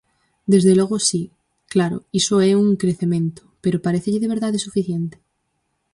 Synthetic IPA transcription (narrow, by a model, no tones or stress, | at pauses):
d̪ezðeloɣ̞osi | klaɾo̰isoɛuŋkɾeθemẽnt̪o̥peɾopaɾeθeʎeðeβ̞eɾðaðesufiθjent̪e̥